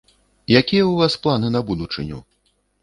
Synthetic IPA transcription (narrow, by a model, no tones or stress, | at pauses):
jakʲijɐuvasplˠanɨnɐbud̪ut͡ʂɨnʲṵ